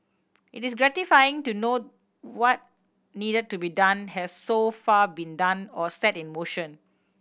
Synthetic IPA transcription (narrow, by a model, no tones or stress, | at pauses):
ʔitis̬ɡɹɛtifajɪ̃ŋtuno | wɔt̚ | nidəd̚tubidãnhɛssofabĩndãnɔsɛtĩnmoʃə̃n